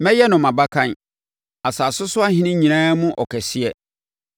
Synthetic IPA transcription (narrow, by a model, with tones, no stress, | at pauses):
mɛ̃˦jɛ˦nʊ̃˨mã˨ba˦kʰã˦n | a˨saː˨sʊ˦sʊ˦a˦ɦɪ̃˦nɪ̃˦ɲĩ˨ñãː˦mʊ̃˦ʔɔ̰˨kʰɛ˨sɪ˦ɛ˦